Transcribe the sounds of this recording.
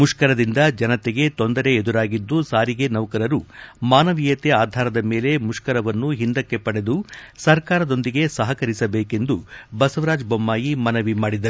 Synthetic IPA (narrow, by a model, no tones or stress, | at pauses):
muʂkɐɾɐd̪ind̪ɐd͡ʒɐnɐt̪eɡe̞t̪o̞nd̪ɐɾe̞ːd̪uɾaːɡid̪ːusaːɾiɡe̞nɐʋkɐɾɐɾumaːnɐʋijɐt̪eaːd̪ʱaːɾɐd̪ɐme̞ːle̞muʂkɐɾɐʋɐnːuɦind̪ɐkːe̞pɐɽe̞d̪usɐɾkaːɾɐd̪o̞nd̪iɡe̞sɐɦɐkɐɾisɐbeːke̞nd̪ubɐsɐʋɾaːd͡ʒbɐmːaːjimɐnɐʋimaːɽid̪ɐɾuu